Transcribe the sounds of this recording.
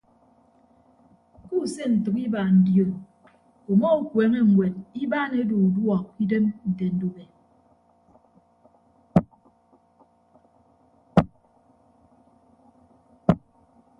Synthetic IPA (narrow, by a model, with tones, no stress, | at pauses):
ku˦˨se˦n̩˨tɨ˨ki˦ba˨n̩˨˦djo˨n | o˨mɔ˦u˦kwe˨˦ŋe˦˨ŋwe˨ni˦ba˦ne˦do˨u˨dwɔ˨k̚i˦de˦mn̩˨te˨n̩˦do˦be˨